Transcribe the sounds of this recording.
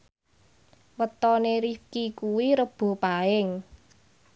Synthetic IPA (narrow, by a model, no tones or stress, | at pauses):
wət̪ɔneɾifkikuwiɾəb̥o̤paɪŋ